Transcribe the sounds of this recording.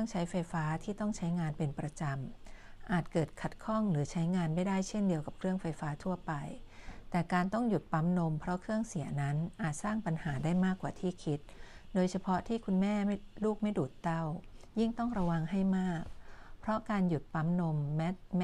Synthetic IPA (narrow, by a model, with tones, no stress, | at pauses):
ɯ˥˩əŋt͡ɕʰa˦˥jfa˧jfaː˦˥t̪ʰiː˥˩t̪ɔ˥˩ŋt͡ɕʰa˦˥jŋaː˧npe˧npɾa˧t͡ɕa˧mʔaː˨˩t̪̚kɤː˨˩t̪̚kʰa˨˩t̪̚kʰɔ˥˩ŋɾɯː˩˦t͡ɕʰa˦˥jŋaː˧nma˥˩jdaː˥˩jt͡ɕʰe˥˩ndi˧əwka˨˩p̚kʰɾɯ˥˩əŋfa˧jfaː˦˥t̪ʰu˥˩ɐpa˧jt̪ɛː˨˩kaː˧nt̪ɔ˥˩ŋju˨˩t̪̚pa˦˥mno˧mpʰɾɔ˦˥kʰɯ˥˩əŋsi˨˩˦ɐna˦˥nʔaː˨˩t̪̚saː˥˩ŋpa˧nhaː˩˦daː˥˩jmaː˥˩kːwaː˨˩t̪ʰiː˥˩kʰi˦˥t̪̚doː˧jt͡ɕʰa˧pʰɔ˦˥t̪ʰiː˥˩kʰu˧nmɛː˥˩m˥˩luː˥˩k̚ma˥˩jduː˨˩t̪ːa˥˩wji˥˩ŋt̪ɔ˥˩ŋɾa˧wa˧ŋɦa˥˩jmaː˥˩k̚pʰɾɔ˦˥kaː˧nju˨˩t̪̚pa˦˥mno˧mːɛ˦˥